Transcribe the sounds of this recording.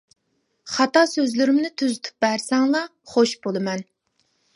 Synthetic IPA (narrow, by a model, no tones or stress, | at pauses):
χɑt̪ɑsøzlɪɾɪmnɪt̪ʰyzɪt̪ʰu̥p̚bæɾsɛŋlˠɑχoʃbolˠɨmɛn